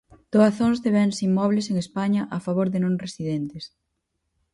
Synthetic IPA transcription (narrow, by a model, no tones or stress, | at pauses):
d̪̥oaθoŋzðeβɛnsiŋmɔβleseŋespaɲɐʔafaβoɾðɪnõŋresiðent̪ɪs